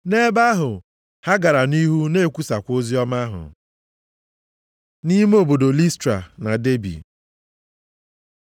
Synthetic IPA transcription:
ne˦ba˦ɦʊ˨ | ha˦ɡa˨ɾa˨ni˦ɦu˦ne˦˨kʷu˦sa˨kʷo˦zi˦ɔ˦ma˦ɦʊ̰˨ | ni˦m˦o˨bo˨do˨li˦stɾa̰˨na˨de˦bḭ˨

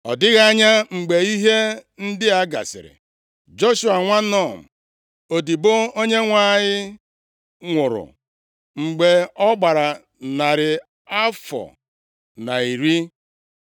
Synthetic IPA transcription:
ɔ̰˨dɪ˦ɣa˦ɲa˦ŋ͡m̩˨ɡ͡be˨i˦ɦe˦n̩˦dɪ˦a˦ɡa̰˨sɪ̰˨ɾɪ̰˨ | d͡ʒo˦ʃu˦a˨ŋʷa˦nɔ˦˨m̩˨ | o˨di˨bʊ˦o˦ɲe˦ŋʷa˦˨ɲɪ˦ | ŋʷʊ˨ɾʊ̰˨ | ŋ͡m̩˨ɡ͡be˨ɔ˦ɡ͡ba˨ɾa˨ | na˨ɾɪ˨ | a˦fɔ̰˨ | na˨i˨ɾi˦

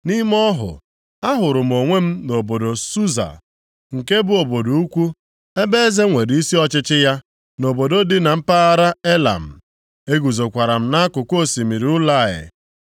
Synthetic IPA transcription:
ni˦m˦ɔ˦ɦʊ̰˨ | a˦ɦʊ˨ɾʊ˨m̩˨o˨ŋʷe˦m̩˦no˨bo˨do˨su˦za̰˨ | ŋ̩˨ke˦bʊ˦o˨bo˨do˨u˦kʷu˦ | e˦be˦e˦ze˦ŋʷe˨ɾi˦si˦ɔ˦t͡ʃɪ˦t͡ʃɪ˦ja˦ | no˨bo˨do˦dɪ˦na˨m̩˦pa˦a˦ɾa˦e˦la̰˨m̩˨ | e˦ɡu˨zo˨kʷa˨ɾa˨m̩˦na˦a˦kʊ˨ko˦˨si˨mi˨ɾi˨˦ʊ˦la˦˨ɪ̰˨

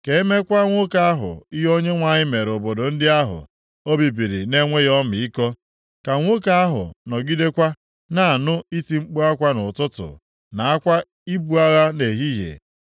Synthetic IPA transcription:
ke˨e˦me˦kʷa˦ŋʷo˦ka˦a˦ɦʊ̰˨i˦ɦo˦ɲe˦ŋʷa˦ɲɪ˦me˨ɾo˨bo˨do˨n̩˦dɪ˦a˦ɦʊ̰˨ | o˦bi˨bi˨ɾi˨ne˦ŋʷe˦jɔ˦mɪ˨i˦kɔ˦ | ka˨ŋʷo˦ka˦a˦ɦʊ̰˨nɔ˨ɡi˦de˦kʷa˦ | na˨a˨nʊ˦i˦ti˨ŋ͡m̩˦k͡pu˦a˦kʷa˦nʊ˨tʊ˦tʊ̰˨ | na˨a˦kʷa˦ | i˦bu˦a˦ɣa˦ne˨ɦi˦ɦḛ˨

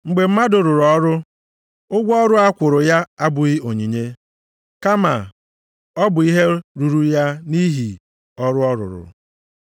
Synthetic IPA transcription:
ŋ͡m̩˨ɡ͡be˨m̩˦ma˦dʊ˨ɾʊ˨ɾɔ˦ɾʊ˦ | ʊ˦ɡʷɔ˦ɾʊ˦a˦kʷʊ˨ɾʊ˨ja˦a˦bʊ˨ɣi˦o˨ɲi˨ɲe˦ | ka˦ma̰˨ | ɔ˦bʊ˨i˦ɦe˦ɾu˨ɾu˨ja˦ni˦ɦi˨ | ɔ˦ɾʊ˦ɔ˦ɾʊ̰˨ɾʊ̰˨

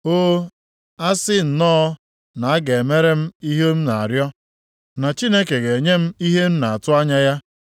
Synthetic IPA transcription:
oː˦ | a˦sɪ˦n̩˨nɔː˦ | na˨a˦ɡe˨e˨me˦ɾe˦m̩˦i˦ɦe˦m̩˦na˨a˨ɾjɔ˦ | na˨t͡ʃi˦ne˦ke˨ɡe˨ɲe˦m̩˦i˦ɦe˦m̩˦na˨a˨tʊ˦a˦ɲa˦ja˦

